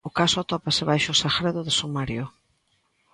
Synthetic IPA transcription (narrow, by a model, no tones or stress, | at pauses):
ʊkasʊat̪ɔpasɪβajʃʊsaxɾeðʊðesomaɾjʊ